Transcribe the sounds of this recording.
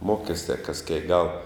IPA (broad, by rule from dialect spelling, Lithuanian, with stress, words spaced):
ˈmoːkʲɛsʲtʲɛ kɐs kʲiɛk ɡɐlˠ